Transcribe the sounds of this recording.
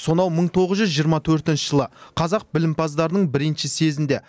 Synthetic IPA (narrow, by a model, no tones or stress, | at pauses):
so̞nɑwməɴt̪ʰo̞ʁəzʒʏzʒijəɾmɑt̪ʰɵɾt̪ɪnʃɪʒəlˠəqʰɑzɑq̚bɪlɪmpʰɑzd̪ɑɾənəɴbɪɾɪnʃɪse̞zɪnd̪e̞